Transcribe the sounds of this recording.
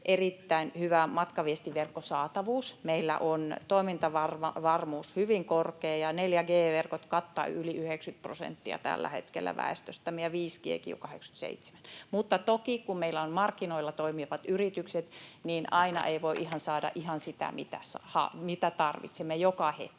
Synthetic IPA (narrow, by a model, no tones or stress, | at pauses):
ʔerit̪ːæinhyʋæmɑt̪kɑʋiest̪iʋerkːosɑːt̪ɑʋuːsmeilːæ̰ʔont̪oimint̪ɑʋɑrʋʋɑrmuːshyʋiŋkorkeːjɑneljæɡeːʋerkot̪kɑt̪ːɑ̰yliyhekskyt̪̚prosḛnt̪ːiɑ̰t̪æ̰lːæ̰hḛt̪kḛlːæ̰ʋæ̰est̪øst̪æmejɑʋiːskiḛkḭjṵkɑhḛksky̥t̪sḛit̪se̥mænmut̪ːɑt̪okikummeilːæonmɑrkːinoilːɑt̪oimiʋɑt̪yrit̪ykset̪niːnʔɑinɑ̰ʔeiʋoiʔihɑnsɑːdɑ̰ʔihɑnsit̪æ̰mit̪æ̰sɑhɑ̰mit̪æt̪ɑrʋḭt̪semːejokɑhḛt̪k